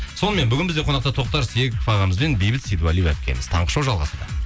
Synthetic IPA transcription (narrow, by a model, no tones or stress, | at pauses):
so̞nəme̞nbʏɡʲɪnbɪzd̪eqʰo̞nɑqt̪ɑt̪ʰo̞q̚t̪ɑɾsekʲfɑʁɑməzbe̞nbejbɪt̪sijd̪uɑlijwæ̰p̚kʲḛmɪz̥t̪ʰɑ̰ɴqə̥ʃɑwʒɑlˠʁɑ̰sɑd̪ə̰